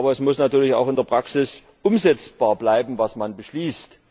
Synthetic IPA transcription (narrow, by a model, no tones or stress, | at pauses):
bɐɛsmʊsnatyːɐlɪça̰ʊxɪndeːɐpʁ̥aksɪs | ʔʊmzɛt͡sb̥aːɐblaɪbm̩vasmanbəʃliːst